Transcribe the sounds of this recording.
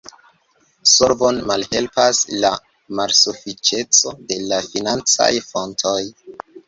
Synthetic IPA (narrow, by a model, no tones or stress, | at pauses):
soɾvonmalhe̞lpasla | malsofit͡ʃe̞t͡so̞de̞lafinant͡sa̰jfo̞ntʰoj